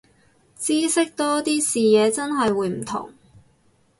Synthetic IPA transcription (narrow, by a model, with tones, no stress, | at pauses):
t͡siː˥sɪ˥k̚t̪ɔː˥t̪iː˥siː˨jɛː˨˧t͡sɐ˥nɦɐ˨jwuː˨˧jm̩˨˩t̪ʰʊ̰˨˩ŋ